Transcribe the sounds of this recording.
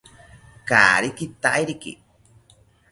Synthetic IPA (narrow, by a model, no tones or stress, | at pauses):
ka̰ɾikit̪aʔiɾikḭ